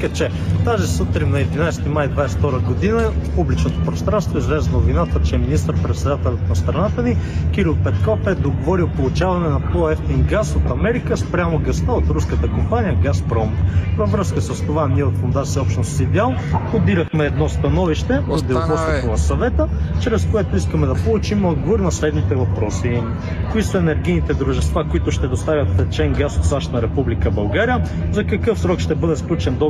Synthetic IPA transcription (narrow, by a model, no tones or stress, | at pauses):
kət͡ʃɛ | t̪azisut̪ɾimnɐɛd̪inajst̪imajd̪vajsɛ̥ft̪ɔɾəɡod̪inəpublit͡ʃnot̪opɾost̪ɾanst̪voizlɛzənovinat̪ət͡ʃɛminist̪əɾpɾɛt̪sɛd̪at̪ɛlʲət̪nɐst̪ɾɐnat̪ənikiɾilˠpɛt̪kɔfɛd̪oɡovɔɾilˠpolˠut͡ʃavɐnɛnɐpɔɛft̪iŋɡasot̪ɐmɛɾikəspɾʲamoɡɐst̪əot̪ɾuskət̪əkompanijəɡaspɾɔmvɐvɾɤskəsəst̪ovaniɛot̪fond̪asɛɔpʃt̪nost̪id̪ʲɛalˠob̪iɾəxmɛːd̪nɔst̪ɐnɔviʃt̪ɛod̪ɛk̪ɔsɛt̪onɐsɐvɛt̪ət͡ʃɾɛskoɛt̪oiskəmɛd̪ɐpolˠut͡ʃimod̪ɡovoɾnɐslɛd̪mit̪ɛvɐpɾɔsi | koisɐɛnɛɾɡinit̪ɛd̪ɾuʒɛst̪vakoit̪ʊʃt̪ɛd̪ost̪avʲɐt̪ɛt͡ʃɛŋɡasot̪saʃt̪nɐɾɛpublikəbɐlˠɡaɾijə | zɐkɐkɤfsɾɔkʃt̪ɛbɤd̪ɛsklʲut͡ʃɛnd̪o